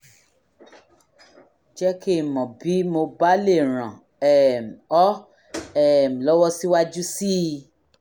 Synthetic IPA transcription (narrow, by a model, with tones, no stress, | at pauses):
d͡ʒɛ˦ke˦˨mɔ̃˨bi˨˦mo˧ba˦le˦˨ɾ̃ã˨ | ɛ˨m̩˨ɔ˦ | ɛ˦˨m̩˨lɔ˦wɔ˦si˦wa˦d͡ʒu˦si˦˧